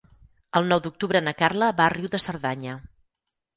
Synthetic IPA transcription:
əlˠnɔwðuk̚t̪uβɾənəkarləβariwðəsəɾðaɲə

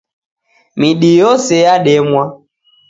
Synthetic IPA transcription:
miɗijɔsɛjaɗɛmwa

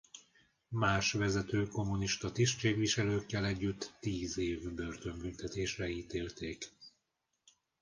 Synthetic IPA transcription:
maːʃʋɛzɛt̪øːko̞muniʃt̪ɒt̪iʃt͡ʃeːɡʋiʃɛløːkːɛlɛɟːyt̪ːiːzeːvbø̞rt̪ø̞mbynt̪ɛt̪eːʃrɛiːt̪eːlt̪eːk

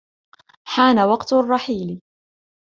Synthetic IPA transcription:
ħaːnawɑqt̪rˤːɑħiːl

